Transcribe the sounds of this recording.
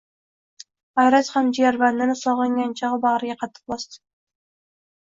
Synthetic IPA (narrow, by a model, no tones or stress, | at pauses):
ajɾashamd͡ʒijaɾband̪ɪnɪsɒʁlɨŋɡʲant͡ʃʰaʁɨbɑʁɾɪɡʲaqʰɑt̪ʰːɨ̥q̚bɒst̪ɪ̥